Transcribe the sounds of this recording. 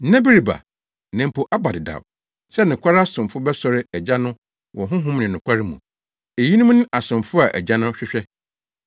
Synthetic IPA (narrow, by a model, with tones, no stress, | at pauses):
nã˦bi˦ɾi˨ba̰˨ | nɛ̃˨m̩˨pʰo˨ʔa˦ba˨dɪ˨da̰˨w | sɛ˦nʊ̃˨kʷa˦ɾa˦sʊ̃˨mfʊ˦bɛ˦sɔ˦ɾɪ˦æ˨d͡ʑa˦nʊ̃˦ | wʔɔ̃˨ɦʊ̃˦ɦʊ̃˦mnɪ̃˨nʊ̃˨kʷʰa˦ɾɪ˦mũ˨ | e˨ji˦nũ˦m˦nɪ̃˦ʔa˨sʊ̃˨mfʊ˦a˨ʔæ̰˨d͡ʑa˦nʊ̃˦ɕᶣɪ˦ɕᶣɛ˦